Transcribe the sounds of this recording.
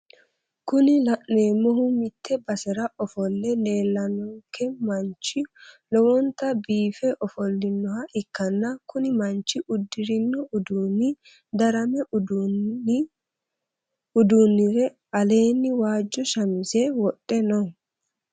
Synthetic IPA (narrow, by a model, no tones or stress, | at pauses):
kʊnɪlɐʔne̞ːmːɔɦʊmɪt̪ːɛbɐsɛɾɐʔɔfɔlːɛne̞ːlːɐnɔŋkʰːɛmɐnt͡ʃːɪlɔwɔnt̪ːɐbiːfɛʔɔfɔlːɪnːɔhɐʔɪkːɐnːɐkʊnɪmɐnt͡ʃːɪʊd̪ːɪɾɪnːɔʊd̪unɪ | d̪ɐɾɐmɛ | ʊd̪unːɪɾɛ | ɐle̞ːnːɪwaːd͡ʒːɔʃɐmɪsewɔɗːɛnɔ